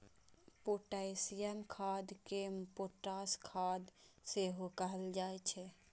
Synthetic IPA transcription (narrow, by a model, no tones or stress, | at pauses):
poʈasijənkʰad̪kepoʈaskʰad̪seɦokəɦəld͡ʒajt͡ʃʰɛ